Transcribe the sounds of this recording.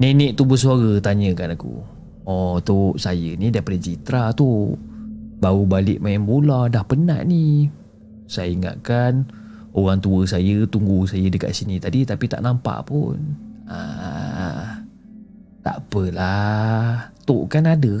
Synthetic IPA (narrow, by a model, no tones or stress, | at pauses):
nenɛʔt̪ubəs̬uaɣət̪aɲəkanakṵ | ɔt̪oʔsajənidiapadəd͡ʒit̪ɾat̪u | baɣubalɪʔmajaŋbolahdahpəna̰ʔni | sajəiŋa̰ʔkan | oɣaŋt̪uəsajət̪uŋɡusajədəka̰ʔsinit̪adit̪apit̪a̰ʔnampa̰ʔpṵna̰ | t̪a̰pəla | t̪oʔkanadə